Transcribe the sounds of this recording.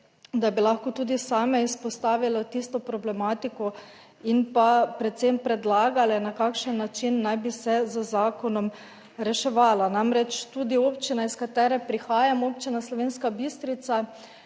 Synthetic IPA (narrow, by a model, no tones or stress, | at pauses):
d̪abilaxkɔt̪uːd̪isaːmɛispɔst̪aːʋilɔt̪ist̪ɔpɾɔblɛmaːt̪ikɔ | inpapɾɛt̪sempɾɛd̪laːɡalɛnakakʃənːat͡ʃinːajbisɛzəzaːkɔnɔm | ɾɛʃɛʋaːlanamɾɛt͡ʃt̪uːd̪ioːpt͡ʃinaiskat̪ɛːɾɛpɾixaːjamoːpt͡ʃinaslɔʋeːnskabist̪ɾit̪sa